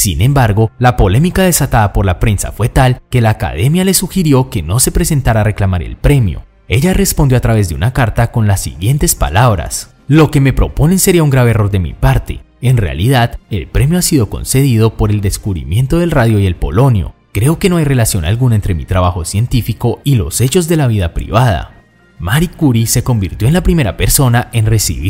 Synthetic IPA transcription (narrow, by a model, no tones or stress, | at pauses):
sḭnẽ̞mbaɾɡo̞lapo̞le̞mikað̞e̞sat̪aðapo̞ɾlapɾe̞nsa̰fwe̞t̪alke̞laːka̰ðe̞mjale̞suxiɾjo̞ke̞no̞se̞pɾe̞se̞nt̪aɾare̞klamaɾḛlpɾe̞mjo̞̰ | e̞ʝare̞spond̪jo̞at̪ɾaβe̞zd̪e̞unakaɾt̪ako̞nlasːḭɣje̞nt̪e̞spa̰laβɾa̰s | lo̞ke̞me̞pɾo̞po̞ne̞nseɾiauŋɡɾaβeːro̞ɾd̪emḭpaɾt̪e̞̰ | enre̞a̰liðaðe̞lpɾe̞mjo̞asiðo̞ko̞̰nse̞ðiðo̞po̞ɾe̞ld̪e̞skuβɾḭmje̞nt̪o̞ðe̞lraðjoie̞lpo̞̰lo̞njo̞̰ | kɾe̞o̞ke̞no̞ajre̞lasjo̞na̰lɡunaent̪ɾe̞mit̪ɾaβaxo̞sje̞nt̪ifiko̞ilo̞̰se̞t͡ʃo̞zd̪e̞laβiðapɾḭβað̞a̰ | maɾikuɾise̞ko̞mbiɾt̪jo̞enlapɾime̞ɾape̞ɾso̞naʔe̞nre̞sḭβi